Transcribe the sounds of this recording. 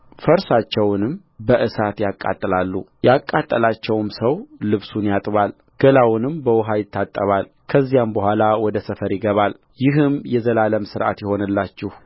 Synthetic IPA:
fəɾsat͡ʃːɛwnɨm | bəʔɨsat̪jakʼːa̰t̪ʼːɨlalːujakʼːat̪ʼːəlat͡ʃːɛwmsəwlɨβsunjat̪ʼβal | ɡ̥əlawnɨmbəwʊɦajɪt̪ːat̪ʼːəβal | kʰəzːijambəhʷalawɔd̪əsəfəɾjɪɡəβal | jɪɦɨmjɛzəlaləmsɨɾʔa̰t̪jɛho̞nɨlːat͡ʃːɪh

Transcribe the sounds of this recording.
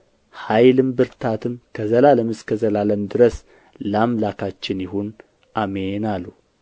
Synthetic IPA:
hajlɨmbɨɾt̪ʰat̪ʰɨmkʰəzəlaləmɨskʰəzəlaləmd̪ɨɾəs | lamlakʰat͡ʃːɪnjɪhun | ʔamenalːu

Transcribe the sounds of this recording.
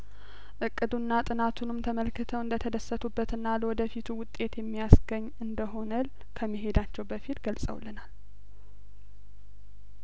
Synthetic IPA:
ʔɨkʼːɨd̪unːat̪ʼɨnat̪ʰunɨmt̪ʰəməlkɨt̪ʰəwɨnd̪ət̪ʰəd̪əsːət̪ʰubːət̪ɨnːaləwɔd̪əfit̪ʰuwʊt̪ʼːe̞t̪jɛmːijasɡəɲːɨnd̪əɦo̞nəl | kʰəmːiɦe̞d̪at͡ʃːɛwbəfit̪ɡəlsʼə̰wlənal

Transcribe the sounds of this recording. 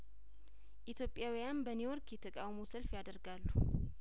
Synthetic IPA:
ʔit̪ʰjopʼjawjanbəniwɔɾkjɛt̪ʰːəkʼawmosəlfjad̪əɾɡalːu

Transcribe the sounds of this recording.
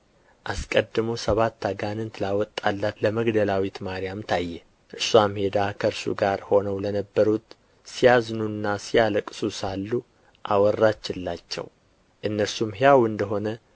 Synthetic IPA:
ʔaskʼəd̪ːɨmowsəβat̪ːaɡanɨnt̪ʰɨlawɔt̪ʼːalːat̪ləməɡd̪əlawit̪maɾijamt̪ʰajːɛ | ʔɨɾsuamhe̞d̪akʰəɾsṵɡaɾho̞nəwlənəbːəɾut̪ | sijaznunːasijaləkʼsusalːu | ʔa̰wɔrːat͡ʃːɪlːat͡ʃːɛ̰w | ʔɨnːəɾsumhjjawɨnd̪əɦo̞nə

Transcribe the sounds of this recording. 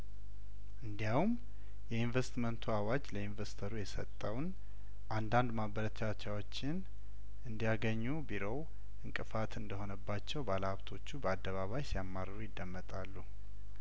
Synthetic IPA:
ʔɨnd̪ijawum | jɛinvest̪mənt̪ʰuawad͡ʒləinvəst̪ʰəɾujɛsə̰t̪ʼːəwn | ʔand̪and̪maβəɾət͡ʃat͡ʃːawo̞t͡ʃːɪn | ʔɨnd̪ijaɡəɲːubiɾo̞w | ʔɨŋkʼɨfat̪ʰɨnd̪əho̞nəbːat͡ʃːɛwbaləhaβt̪ʰo̞t͡ʃːubəad̪ːəβaβajsijamːarːəɾujɪd̪ːəmːət̪ʼalːu

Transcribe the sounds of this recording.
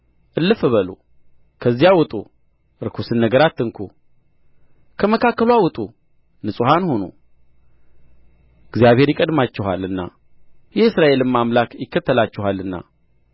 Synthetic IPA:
ʔɨlːɨfɨβəlo̰ | kʰəzːijawʊt̪ʼṵ | ɨɾɨkʰusɨnːəɡəɾat̪ːɨŋkʰo̰ | kʰəməkʰakːəlwawʊt̪ʼu | nɨsʼɨhanho̞no̰ | ɨɡzijaβhe̞ɾjɪkʼəd̪mat͡ʃːɪɦa̰lɨnːa̰ | jɛɨsɾaʔe̞lɨmamlakjɪkːət̪ːəlat͡ʃːɪhalːɨnːa̰

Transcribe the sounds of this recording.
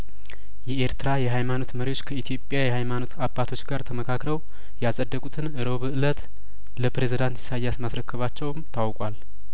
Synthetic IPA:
jɛeɾt̪ɨɾajɛɦajmano̞t̪məɾiwo̞t͡ʃːkʰəit̪ʰijo̞pʼːjajɛhajmano̞t̪abːat̪ʰo̞t͡ʃːɡaɾt̪ʰəməkʰakɾəw | jasʼəd̪ːəkʼut̪ʰɨnɨɾo̞βɨʔɨlət̪ | ləpɾe̞zid̪ant̪ɪ̥sajːasmasɾəkʰːəβat͡ʃːɛwmt̪ʰawkʼwal

